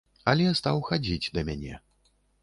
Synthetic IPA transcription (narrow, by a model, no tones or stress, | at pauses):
ɐlʲɛst̪awxad͡zʲid͡zʲd̪ɐmʲanʲɛ̰